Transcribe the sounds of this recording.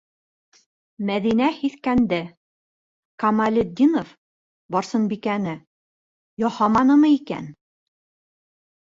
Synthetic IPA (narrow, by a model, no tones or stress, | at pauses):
mæðinæhiθkænd̪ɘ | kɑmalʲɪd̪ʲːinof | bɒɾsɤnbikænɘ | jɒhɑmɑnɤmɤikæ̰n